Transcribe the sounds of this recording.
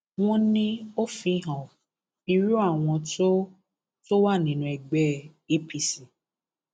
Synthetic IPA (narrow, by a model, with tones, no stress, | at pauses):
w̃ɔ̃˦nĩ˦o˦fĩ˧˦ɦɔ̃˨ | i˧ɾu˦a˦˨w̃ɔ̃˧to˦ | to˦wa˦˨nĩ˨nũ˨ɛ˨ɡ͡bɛ˦ | e˦pi˧si˨